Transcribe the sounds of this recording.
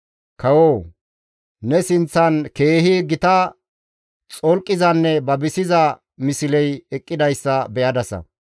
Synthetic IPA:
kɐwoː | nɛsɪnt͡sːɐnke̞ːhiɡɪt̪ɐ | t͡sʼɔlkʼːɪzɐnːɛbɐbɪsɪzɐ | mɪsɪlɛjɛkʼːɪd̪ɐjsːɐbɛʔɐd̪ɐsɐ̰

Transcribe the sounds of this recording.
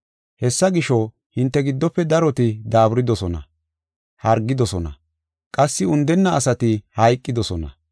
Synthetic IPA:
hɛsːɐɡɪʃɔ | hɪnt̪ːɛɡɪd̪ːɔpːɛd̪ɐɾɔt̪ɪd̪aːbɾɪd̪ɔsɔnɐ̰ | hɐɾɡːɪd̪ɔsɔnɐ̰ | kʼɐsːɪʊnd̪ɛnːɐːsɐt̪ɪhɐjkʼːɪd̪ɔsɔnɐ̰

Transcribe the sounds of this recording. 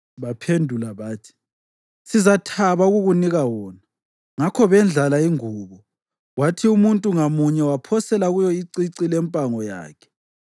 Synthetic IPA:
βapʰendʱulaβaːtʰi̥ | sizatʰaβauɣuɣuniɣawɔːna | ŋakʰɔβɛnd͡ɮʱalaiŋuːβɔ | watʰiumuntʼuŋamuɲɛwapʰɔsɛlaɣujɔiǀiǀilɛmpʼaŋɔja̰ːkʰɛ̥

